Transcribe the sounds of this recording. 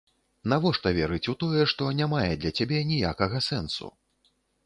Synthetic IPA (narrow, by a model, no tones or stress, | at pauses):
navɔʂt̪ɐvʲɛɾɨt͡sʲut̪ɔjɛʂt̪ɔnʲamajɛd̪lʲɐt͡sʲabʲɛnʲijakɐɣɐsɛnsṵ